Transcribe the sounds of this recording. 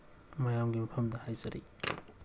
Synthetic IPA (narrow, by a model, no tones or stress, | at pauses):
majamɡimɐpʰɐmdɐhajzɐɾḭ